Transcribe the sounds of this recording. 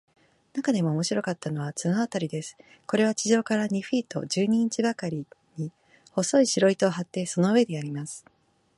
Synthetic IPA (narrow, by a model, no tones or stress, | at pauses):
nakad̪e̞mo̞ːmo̞ɕiɾo̞kat̪ːano̞βat͡sɨnaβat̪aɾʲid̪e̞sɨ̥ | ko̞ɾe̞βat͡ɕiʑo̞ːkaɾaɲ̟iɸiːt̪o̞̰ʑɨːɲ̟ĩːɲt͡ɕibakaɾʲiɲ̟i | ho̞so̞iɕiɾo̞it̪o̞ːɦat̪ːe̞so̞no̞ɯ̟βe̞d̪e̞aɾʲimasɨ̥